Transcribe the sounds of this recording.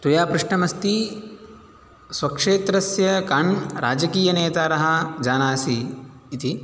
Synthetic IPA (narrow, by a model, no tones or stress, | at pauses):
t̪ujaːpɾuʂɳɐmɐst̪i | swɐkʂeːt̪ɾɐsjɐkɐɳɾa̰ːd͡ʒɐkiːjɐneːt̪aːɾɐɦɐ̆d͡ʒaːnaːsiː | t̪i